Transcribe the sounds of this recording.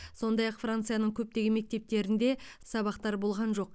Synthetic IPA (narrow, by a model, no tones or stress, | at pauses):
so̞nd̪ɑjɑqfrant̪sɨjanəɴkʲʰɵp̚t̪e̞ɡʲɪme̞k̚t̪e̞p̚t̪e̞ɾɪnd̪e̞sɑβɑqt̪ɑɾbo̞lˠʁɑnʒo̞q̚